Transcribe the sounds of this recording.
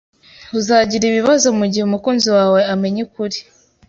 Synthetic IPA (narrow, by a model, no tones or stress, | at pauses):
uzaːɟiɾiβiβazo̞muɟiheumukuːnziwaːwe̞ame̞ɲekuɾi